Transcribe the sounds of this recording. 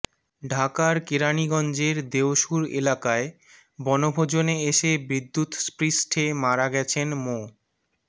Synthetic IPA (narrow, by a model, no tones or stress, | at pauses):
ɖʱakaɾkeɾaniɡɔnd͡ʑeɾd̪eoʃuɾḛlakae | bɔnobʱod͡ʑoneeʃebɾid̪ʱːut̪spɾisʈʰemaɾaɡɛt͡ɕʰenmo